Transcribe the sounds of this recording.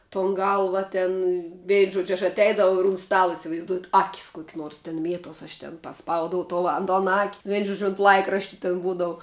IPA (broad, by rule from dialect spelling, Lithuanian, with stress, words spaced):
toːn ˈɡɐlˠʋɐ ˈtʲɛn ˈʋʲɛɪn ˈʒuɔt͡ʃʲ ɐʃ ɐtʲˈɛɪdɐʋɐʊ ɪr ʊn ˈstɑːlˠɐ ɪsʲɪʋɐɪzˈduɔjɛt ˈɑːkʲɪs ˈkuɔkʲɪ ˈnuɔrs tʲɪn ˈmʲiɛtuɔs ɐʃ tʲɛn pɐˈspɐʊdɐʊ ˈtoː ɐn toːn ɐkʲ ʋʲɛɪn ˈʒuɔt͡ʃʲ oːnt ˈlˠɐɪkrɐʃʲtʲɪ tʲɪn ˈbuːdɐʋʊ